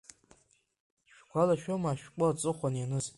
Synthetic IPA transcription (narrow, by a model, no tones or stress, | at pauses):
ʃᶣɡʷalaʃᶣomaʃᶣkʷʼʊat͡sʼɨχʷanjanɨz